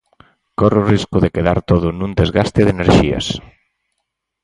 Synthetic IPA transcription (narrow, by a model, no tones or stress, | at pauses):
koreoriskʊðekeðaɾt̪oðʊnũnd̪ezɣast̪ɪðeneɾʃiɐ̰s